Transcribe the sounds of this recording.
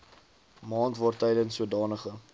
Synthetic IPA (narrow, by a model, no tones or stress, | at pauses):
mɑːntvɑːrtɛjdənsːuədɑːnəχə